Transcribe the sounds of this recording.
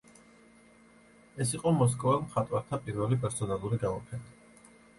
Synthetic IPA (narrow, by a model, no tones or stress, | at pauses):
ɛs̬iqʼɔmɔs̬kʼɔvɛlˠmχat̪ʼwaɾt̪ʰapʼiɾvɛlipʼɛɾsɔnalˠuɾiɡamɔpʰɛna